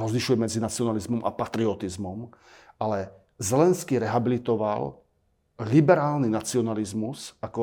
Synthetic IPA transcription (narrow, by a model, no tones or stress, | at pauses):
ɔzliʃujɛmɛd͡zinat͡sɪɔnalizmɔmʔa̰pat̪ɾiɔt̪izmɔm | alɛ | zɛlɛnskiɾɛɦabilit̪ɔʋa̰l | libɛɾaːlninat͡siɔnalizmusakɔ